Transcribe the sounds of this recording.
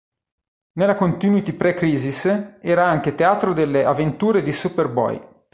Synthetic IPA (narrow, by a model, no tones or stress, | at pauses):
nelakont̪iːnwit̪ipɾɛkɾiːzisɛːɾaaŋk̟et̪eaːt̪ɾod̪elːeavent̪uːɾed̪isuperbɔ̰j